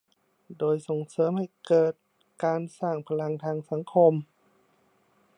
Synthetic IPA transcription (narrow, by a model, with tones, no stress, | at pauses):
doː˧jso˨˩ŋsɤː˨˦mha˧˩jkɤː˨˩t̪̚ | kaː˧nsaː˧˩ŋpʰa˧la˧ŋt̪ʰaː˧ŋsa˧˦ŋkʰo˧m